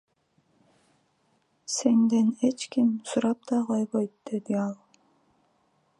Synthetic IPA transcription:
se̞nd̪ene̞t͡ʃkimsuɾɑp̚t̪ɑqojβojt̪̚d̪̥e̞d̪iɑlˠ

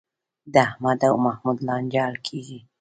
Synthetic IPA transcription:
d̪ahmad̪awmahmud̪lɑnd͡ʒɑlkʰiɡi

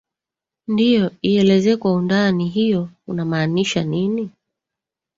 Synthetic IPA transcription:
ndijɔiɛlɛzɛːkwaundaniɦijɔunamaːniʃanini

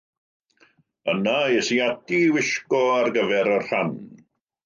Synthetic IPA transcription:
ənaɛsiatiwɪʃkɔarɡəvɛɾərr̥an

